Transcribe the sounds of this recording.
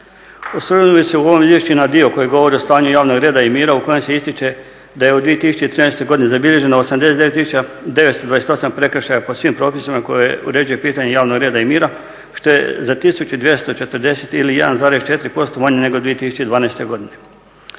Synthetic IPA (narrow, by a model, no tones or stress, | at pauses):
osoɾenobiseuo̞ʋomizʋje̞ʃt͡ɕunad̪io̞ko̞jeɡo̞ʋo̞ɾiost̪aːɲujaːʋno̞ɡɾe̞ːd̪aimiːɾauko̞jemse̞ist̪it͡ʃe̞ | d̪ajeod̪ʋije̞t̪isu̥t͡ɕet̪ɾiːnajst̪o̞ɡo̞d̪inezabiʎe̞ʒe̞noosamd̪eset̪eet̪ːisut͡ʃad̪e̞ʋet̪st̪od̪ʋajeet̪osampɾe̞kɾ̩ʃajaposʋimpɾo̞ːpisimako̞jeṵɾe̞d͡ʒuje̞piːt̪aɲejaːʋno̞ɡɾe̞ːd̪aimiːɾa | ʃt̪o̞jḛzat̪isut͡ɕud̪ʋje̞st̪o̞t͡ʃe̞t̪ɾd̪e̞set̪ilije̞d̪anzaːɾest͡ʃe̞t̪ɾipo̞st̪o̞maɲene̞ɡod̪ʋijet̪isu̥t͡ɕed̪ʋaːnajst̪e̞ɡo̞d̪ine̞